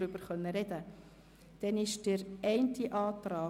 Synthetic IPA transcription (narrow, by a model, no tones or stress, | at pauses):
ɾʏb̥əɾχœnːəɾɛdə | d̥ɛnɪʃd̥əɾɛɪntiʔɑːtrɑː